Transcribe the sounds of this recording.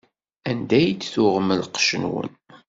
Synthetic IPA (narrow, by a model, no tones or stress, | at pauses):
ænd̪æjd̪θuʁməlqʃənwə̰n